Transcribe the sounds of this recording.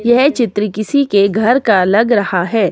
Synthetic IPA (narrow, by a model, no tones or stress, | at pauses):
jɛɦt͡ʃɪt̪ɾikɪsikeɡʱɐɾkalɐɡɾɐhaɦɛː